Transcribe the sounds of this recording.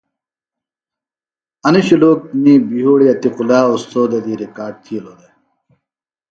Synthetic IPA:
ɐniɕiloːk̚niːbijoːɽiɐt̪iqulaːost̪oːd̪ɐd̪iɾikaːɖ̚t̪ʰieloːd̪e

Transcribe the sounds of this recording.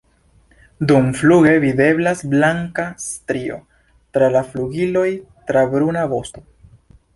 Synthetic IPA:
d̪umfluɡe̞vide̞blasblaŋkast̪ɾio̞̰ | tɾalafluɡilo̞jtɾabɾunabo̞st̪o̞

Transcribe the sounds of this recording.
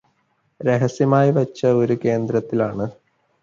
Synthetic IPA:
ɾeɦɐsjɐmaːjiʋɐt͡ɕːɐo̞ɾuke̞ːnd̪ɾɐt̪ːilaːɳɨ

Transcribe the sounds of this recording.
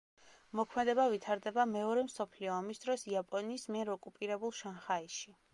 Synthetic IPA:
mɔkʰmɛd̪ɛbavit̪ʰaɾd̪ɛbamɛɔɾɛmsɔpʰliɔːmisd̪ɾɔsiapʼɔniːsmiɛɾɔkʼupʼiɾɛbulˠʃanχaiʃi

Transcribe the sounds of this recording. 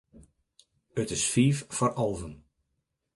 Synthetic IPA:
ətɪsfiːffɔrʔɔlˠvən

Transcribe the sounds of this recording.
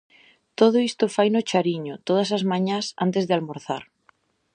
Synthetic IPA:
t̪oð̞oist̪ofajnot͡ʃaɾiɲot̪oð̞ɐsazmãɲasa̰nt̪ezðealmoɾθa̰ɾ

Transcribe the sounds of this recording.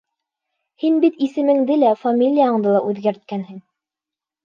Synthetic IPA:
hinbit̪isɘ̆mɘ̆ŋd̪ɘlæfamʲilʲijaɤ̆ɴd̪ɤlˠɑʔʉðɡæɾt̪̚kænhɘŋ

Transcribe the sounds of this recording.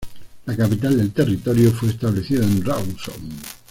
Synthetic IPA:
lakapit̪ald̪e̞lt̪e̞rit̪oɾjofweːst̪aβleθiðaẽnrawso̰ŋ

